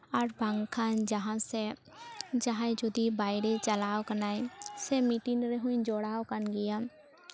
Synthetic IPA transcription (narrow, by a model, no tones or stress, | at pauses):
ɔɾbʱə̃ŋɡkʰaːnd͡ʒəɦãse | d͡ʒəɦãd͡ʒʊd̪ibaːɪɾet͡ʃəlaːwkənaːesemiʈinɾeɦʊĩd͡ʒoːɽaːokənɡɪjãː